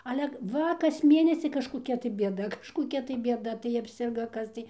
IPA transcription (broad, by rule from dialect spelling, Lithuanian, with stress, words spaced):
ɐlʲɛ ˈʋɐ kɐs ˈmʲeːnʲɛsʲɪ kɐʃkoːˈkʲɛ tɐɪ bʲiɛˈdɐ kɐʃkoːˈkʲɛ tɐɪ bʲeːˈdɐ tɐɪ ɐpʲˈsʲɪrɡoː ˈkɐs tɐɪ